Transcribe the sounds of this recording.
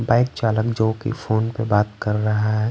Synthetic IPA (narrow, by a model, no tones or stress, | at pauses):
baːɪk̚t͡ʃaːləkd͡ʒoːkḭfoːnpebaːt̪kəɾːɐɦaɦɦɛ